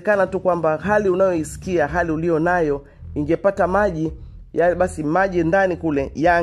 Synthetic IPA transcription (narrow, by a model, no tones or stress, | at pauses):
kanatukwambaɦaliunajɔisi̥kiaɦaliulijɔnajɔ | iŋɡɛpatamaʄi | jaɓasimaʄindanikulɛja